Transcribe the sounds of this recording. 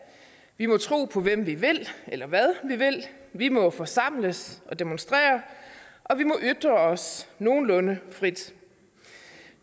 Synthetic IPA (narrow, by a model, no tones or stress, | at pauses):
ʋimɒ̽t͡sʰʁṵːpʰɒ̽ʋem̰ʋiʋe̝l̰elɐʋæð̞ˠʋiʋe̝l̰ʋimɒ̽fɒ̽sɑ̈m̰ləsʔɒ̽d̥emonsd̥ʁɛ̰ːɐʔɒ̽ʋimɒ̽ʔyd̥ʁɐɒ̽sno̝ːn̩lɔ̽nəfʁid̥